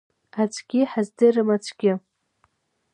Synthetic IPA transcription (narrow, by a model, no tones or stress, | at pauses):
at͡sʷʰʼɡʲɪħazdɨrɨmat͡sʷʰʼɡʲɪ